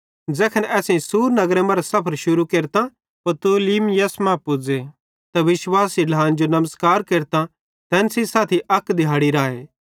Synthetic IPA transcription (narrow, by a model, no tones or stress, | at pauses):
d͡zɛːkʰənɛːsẽsuːɾnɐɡɾemɐ̃ɾsɐpʰəɾʃʊɾukeːɾt̪a | pɐt̪uːliːmjɐsmãpʊd͡ze | t̪ɐʋɪʃwaːsilʱaːnd͡ʒonɐməskaːɾkeːɾt̪a | t̪ɛ̃ːnsisaːt̪ʰiʔɐkd̪ɪjɦaːɽiɾaːeː